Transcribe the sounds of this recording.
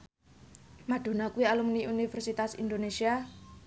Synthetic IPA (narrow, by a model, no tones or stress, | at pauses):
maɖ̥o̤nakuwialumniʔunifɛrsit̪asḭnd̪onesia